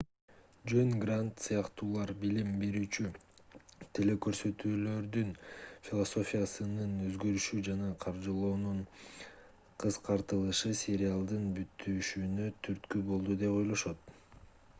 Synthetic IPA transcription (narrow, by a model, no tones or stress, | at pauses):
d͡ʒønɡrant̪sɯjɑqt̪uːlˠɑɾbilimbe̞ɾyːt͡ʃy | t̪ʰe̞le̞kø̞ɾsø̞t̪yːlø̞ɾd̪ynfʲilˠoso̞fʲijasɯnɯnø̞zɡø̞ɾyʃyd͡ʒɑnɑqʰɑɾd͡ʒɯlˠoːnuɴ | qʰɯsqɑɾt̪ɯlˠɯʃɯsʲeɾʲɪalˠd̪ɯnbyt̪ʰːyʃynøt̪ʰyɾt̪kybo̞lˠd̪ud̪e̞po̞jlˠo̞ʃo̞t̪̚